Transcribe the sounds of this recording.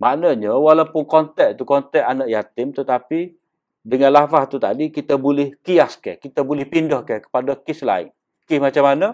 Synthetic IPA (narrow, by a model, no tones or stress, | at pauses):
maʔnəɲəwalapʊnkɔnt̪ɛʔ̚t̪ukɔnt̪ɛʔanaʔjat̪ɪmt̪ət̪api | dəŋanlafaht̪ut̪a̰dikit̪əbulɪhkiaskɛ̰kit̪əbulɪhpindɔhkɛkə̥padəkɪsla̰ɪ̰ŋ | kɪsmat͡ʃamanə